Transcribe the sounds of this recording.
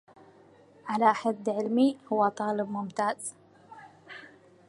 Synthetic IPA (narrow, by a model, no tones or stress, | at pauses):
ʕalaʔħad̪ːʕɪlmihʊwːat̪ˤɑːləbmʊmt̪aːz